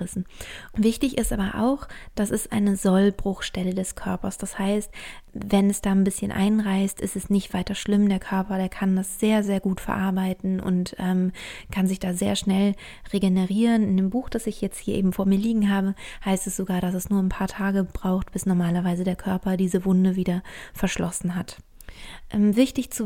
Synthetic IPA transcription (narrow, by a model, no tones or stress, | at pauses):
ʁɪsn̩vɪçtɪçɪstʔaːbɐʔa̰ʊxd̥asɪstʔa̰ɪnəzɔlbʁʊxʃtɛlədɛskʰœɐpɐsd̥ashaɪst̚vɛnɛsd̥aːnbɪsçənʔa̰ɪnʁaɪstʔɪ̰stɛsnɪçtv̥aɪtɐʃlɪmdeːɐkʰœɐpɐdeːɐkʰandasz̥eːɐzeːɐɡuːtfɛɐʔaɐbaɪtn̩ʊ̰ntʔɛːmkʰanzɪçd̥aːzḛːɐʃnɛl | ʁeɡenəʁiːʁənɪndeːmbuːxd̥asɪçjɛt͡sthiːɐʔḛːbm̩foːɐmiːɐliːɡŋ̩ɦaːbəhaɪstɛsz̥oɡaːɐɾasɛsnuːɐnpʰaːɐtʰaːɡəb̥ʁaʊxt̚b̥ɪsnɔɐmaːlɐvaɪzədeːɐkʰœɐpɐdiːzəvʊndəviːdɐfɛɐʃlʔɔsn̩ɦat | ʔɛːmvɪçtɪçt͡su